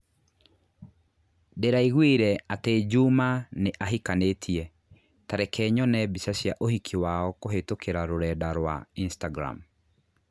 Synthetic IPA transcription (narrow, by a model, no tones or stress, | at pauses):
deɾaiɣwiɾɛated͡ʒumaneʔaɦikanetʰiɛ | taɾɛkʰɛːɲɔnɛbisasijaʔohikʰiwaɔkoɦetokʰeɾaɾoɾɛdaɾwa̰instaɡɾa̰m